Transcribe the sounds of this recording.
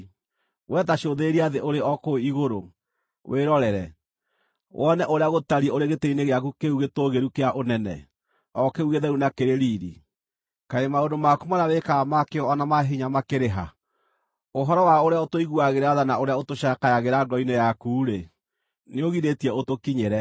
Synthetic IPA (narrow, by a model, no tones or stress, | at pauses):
wʔɛtaʃoðeɾiaðeʔoɾeɔkoiɣoɾo | wʔeɾɔɾɛɾɛ | wʔɔnɛʔoɾeaɣotaɾiɛoɾeɣeteineɣeakukeuɣetoɣeɾukeaʔonɛnɛ̰ | ɔkeuɣeðɛɾunakeɾeɾiɾḭ | kaemaondomakumanawekamakeɔɔnamaɦiɲamakeɾeɦa | oɦɔɾɔwaoɾeaotoiɣuaɣeɾaðanaoɾeaotoʃakajaɣeɾaɡɔinɛjakuːɾe | neoɣiɾetiɛotokiɲeɾɛ